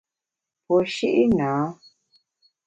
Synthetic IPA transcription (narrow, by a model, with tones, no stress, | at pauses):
pɔ˨ʃi˦ʔi˦nãː˨˦